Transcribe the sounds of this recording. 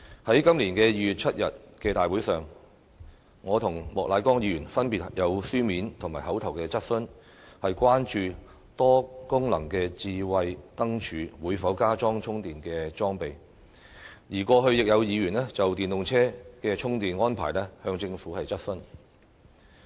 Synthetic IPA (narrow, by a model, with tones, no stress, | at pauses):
hɐ˨˥jkɐ˥mliː˨˩nkɛː˧jiː˧jyː˨t̚t͡sʰɐ˥t̚jɐ˨t̚kɛː˧t̪aː˨jwuː˨˥jsœː˨ŋ | ŋɔː˨˧t̪ʰʊ˨˩ŋmɔː˨klʔaː˨˧jkɔː˥ŋjiː˨˧jyː˨˩nfɐ˥npi˨t̚jɐ˨˧wsyː˥miː˨˥nt̪ʰʊ˨˩ŋmaː˨˩jhɐ˨˥wt̪ʰɐ˨˩wkɛː˧t͡sɐ˥t̚sɵ˥n | hɐ˨jkʷwaː˥nt͡ʃyː˧ | t̪ɔː˥kʊ˥ŋlɐ̰˨˩ŋkɛː˧t͡siː˧wɐ˧jt̪ɐ˥ŋt͡ʃʰyː˨˧wuː˨˥jfɐ˨˥wkaː˥t͡sɔː˥ŋt͡ʃʰʊ˥ŋt̪iː˨nkɛː˧t͡sɔː˥ŋpe˨˩j | jiː˨˩kʷɔː˧ɦɵ˧ɥjɪ˨k̚jɐ˨˧wjiː˨˧ɥyː˨˩nɛ˥t͡sɐ˨wt̪iː˨nt̪ʊ˨ŋt͡sʰɛː˥kɛː˧t͡ʃʰʊ˥ŋt̪iː˨nŋɔː˥npʰa̰ː˨˩jlɛ˥hœː˧ŋt͡sɪ˧ŋfuː˨˥hɐ˨jt͡sɐ˥t̚sɵ˥n